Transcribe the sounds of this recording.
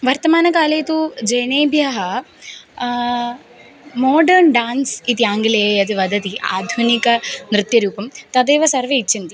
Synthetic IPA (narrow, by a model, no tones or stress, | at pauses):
ʋɐɾt̪ɐmaːnɐkaːleːt̪ud͡ʒɐjneːbʱjɐɦɐ | moːɖɐɾɳɖaːnsit̪iaːŋɡileejɐd̪ɨʋɐd̪ʱɐt̪iʔa̰ːd̪ʱunikɐnɾɨt̪jɐɾuːpɐmt̪ɐd̪eːʋɐsɐɾʋeit͡ʃint̪i